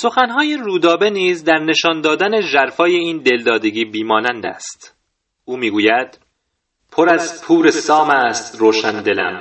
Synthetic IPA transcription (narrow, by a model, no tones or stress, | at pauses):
so̞xænɦɒːje̞ruːd̪ɒːbe̞niːzd̪æɾne̞ʃɒːnd̪ɒːd̪æne̞ʒæɾfɒːje̞iːnd̪e̞ld̪ɒːd̪e̞ɡiːbiːmɒːnænd̪æ̰st̪ | ʔuːmiːɡuːjæd̪̥ | pʰo̞ɾæzpʰuːɾesɒːmæst̪roːʃænd̪e̞læ̰m